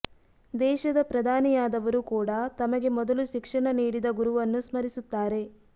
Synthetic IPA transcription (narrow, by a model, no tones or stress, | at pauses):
d̪ɛːʃɐd̪ɐpɾɐd̪ʱaːnijaːd̪ɐʋɐɾukuːɽɐt̪ɐmɐɡe̞mɔd̪ɐluʃikʂɐɳɐniːɽid̪ɐɡuɾuʋɐnːusmɐɾisut̪ːaːɾe̞